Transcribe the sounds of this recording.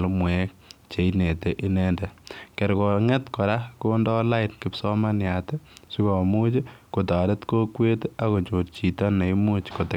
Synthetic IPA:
lmwɛt͡ʃe˨ine˨teʔi˦nɛndɛke˨ɾkɔ˨ŋɛ˦tkɔ˨ɾa˦kondɔ˦la˦ɪtkɪ˦psɔ˦ma˦nja˨te˦su˦kɔ˨mu˦t͡ʃiko˨ta˨de˦tko˦kwe˦ta˨ko˨ɲt͡ʃo˨tt͡ʃi˨tɔ˦ne˨imu˦t͡ʃko˨te˨

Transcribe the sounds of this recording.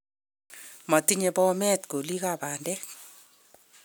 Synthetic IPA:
ma˨ti˦ɲe˨pɔ˦mɛ˦tko˨li˦ka˦˨ba˨ndɛ˦k

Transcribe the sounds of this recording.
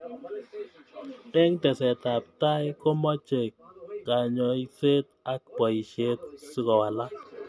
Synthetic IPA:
e˦ŋtɛ˨sɛ˨ta˨p̚ta˦jko˦mɔ˦t͡ʃe˨kːa˨ɲɔ˨i˨se˦t̪̚a˦k̚pɔ˨i˨ʃe˦t̪su˦kɔ˨wa˨la˦

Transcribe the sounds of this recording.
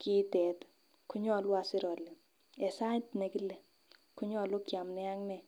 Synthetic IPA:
ki˦tɛ˨t | ku˦ɲɔ˦˨lwa˨sɪ˦ɾɔ˨le˨ | ɛ˨sa˦tne˨ki˦le˨ | kʊ˦ɲɔ˦˨lʊ˦kja˨mnɛ˦a˦ŋnɛ˨

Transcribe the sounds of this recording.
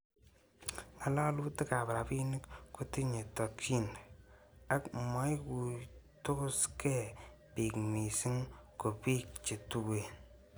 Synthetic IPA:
ŋa˨la˦lu˦ti˦ka˨bɾa˨pi˦ni˦kku˦ti˦ɲe˨to˨kʰːi˦n | a˦kma˨˦jku˨tʊ˦kske˦˨pi˨kmi˨si˦ŋko˨pi˦k̚t͡ʃi˨tu˦we˨

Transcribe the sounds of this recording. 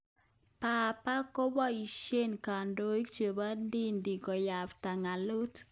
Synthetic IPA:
pa˨pa˦ko˦ba˦i˨ʃe˦nka˨ndo˦i˦kt͡ʃe˨ba˦ndi˦ndi˨kɔ˨ja˨fta˨ŋa˨lo˦t

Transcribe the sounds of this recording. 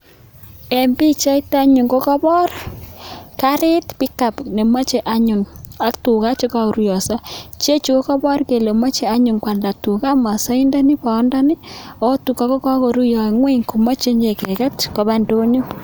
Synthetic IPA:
e˨mbi˦t͡ʃa˦i˦ta˦ɲu˨ŋko˦kɔ˦bɔ˦r | ka˦ɾi˦tpi˦ka˨pne˨ma˦t͡ʃe˨ʔa˨ɲu˨na˦ktu˨ka˦t͡ʃe˦ka˦ɾu˦jɔ˨sa˦t͡ʃe˦t͡ʃu˨ko˦kɔ˦bɔ˦rke˨lo˨ma˦t͡ʃe˨a˦ɲu˨ŋkwa˨nda˨tu˨ka˦ma˨sa˦i˦nda˦ni˦pa˨˦nda˦ni˦o˦tu˨ka˦ko˦ka˦ko˨ɾu˦jɔ˨ŋwe˦ŋku˨mo˦t͡ʃe˦ɲe˨kɛ˨kɛ˦tko˨βa˦ndo˦ɲu˦

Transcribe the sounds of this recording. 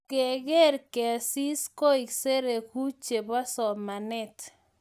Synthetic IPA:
ke˨ɡe˦ɾkɛ˨a˨si˦skɔ˦i˨kse˦ɾe˨ku˦t͡ʃe˨ba˦sɔ˨ma˨nɛ˦t̪

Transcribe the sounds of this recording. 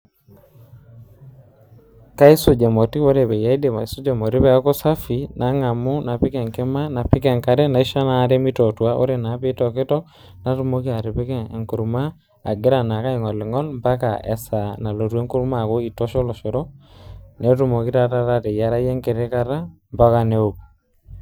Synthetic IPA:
ka˦i˦su˨d͡ʒe˨mo˨ti˦βo˦ɾe˨βɛ˨ja˦i˦de˨ma˨i˨su˦d͡ʒe˨mo˨ɾi˦βɛ˦a˦ko˦sa˦fi˨na˨˦ŋa˨mu˦na˨pi˦kɛ˨ŋke˦ma˦na˨pɪ˦kɛ˨ŋka˨ɾɛ˦na˨i˦ʃa˦na˨˦ɾe˦mi˦tɔ˨twa˦ʔo̰˦ɾe˨na˨˦pɪ˦tɔ˨kɪ˦tɔ˦ | na˨tu˨mo˦ki˦a˨ɾe˨pe˦kɛ˦˨ŋku˨ɾma˦ | a̰˨ɡe˦ɾa˨na˨ka˦i˨ŋɔ˨li˨ŋɔ˦lmba˦ka̰˨ʔɛ̰˨sa˨na˨lo˨ɾwe˦ŋku˦ɾma˨ko˦i˨tɔ˦ʃɔ˦lɔ˨ʃo˨ɾɔ˦ne˦tu˦mo˨kɪ˦ta˦ta˦ɾa˦te˨ja˨ɾa˦je˦ŋɡe˨ɾe˦ka˦ɾa˦ | mba˦ka˦ne˦o˨p

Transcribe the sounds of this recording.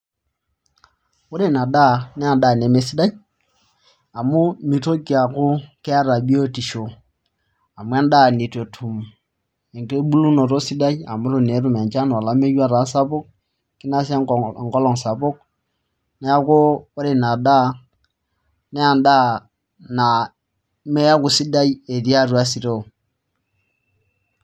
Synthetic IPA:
wo˦ɾe˦˨na˨da˦nɛ˦a˨nda˦˨ne˨me˨˦si˦da˦j | a˨mu˦mi˨to˦ki˨a˨ku˦kɛ˦a˦ɾa˨bi˦o˦ti˨ʃo˨ | a˨mu˦a˦nda˦˨ni˨te˨tʰu˨m | e˨ŋke˦bu˦lu˦no˨ɾo˦si˦da˦ja˨mu˦ɾo˨ne˨˦ɾu˦˨m˨a˨t͡ʃa˦n˨a˨la˨˦me˦ja˦ɾa˨˦sa˦pɔ˦k̚ | ki˦na˦sa˦˨ŋɡo˦lo˨ŋsa˨bo˦k̚ | ne˦ja˦ko˦wa˦ɾi˨na˨da˦ | ne˦a˨nda˦ | na˨ | me˦ja˦ku˨si˦da˦je˨di˦a˦˨ɾu˨a˦si˨ɾo˦˨

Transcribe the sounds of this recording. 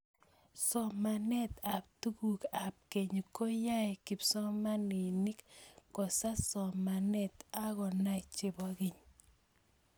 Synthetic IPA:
sɔ˨ma˨nɛ˦t̪a˨p̚tu˦ku˨ka˨p̚ke˨ɲ˨ko˦ja˦ɛ˨kɪ˨psɔ˦ma˦ni˨ni˦kkɔ˨sa˦sɔ˨ma˨nɛ˦t̪a˦kɔ˨na˦ɪt͡ʃe˦bɔ˨ke˨ɲ

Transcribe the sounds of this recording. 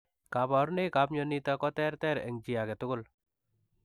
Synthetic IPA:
ka˨˦ba˨ɾne˦ka˨˦p̚ɲɔni˦t̪a˦kɔ˦t̪ɛ˦ɾt̪ɛ˦ɾɛ̰˨ŋd͡ʒi˨a˨kɛ˨t̪ʊ˦kʊ˦l

